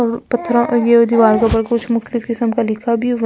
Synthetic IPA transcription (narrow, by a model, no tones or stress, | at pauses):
ɔpɐt̪ʰːɾõʔjeod̪iʋaːɾkabɐɾkʊt͡ʃʰmʊxt̪əlɪkkɪsəmkalɪkʰabʱi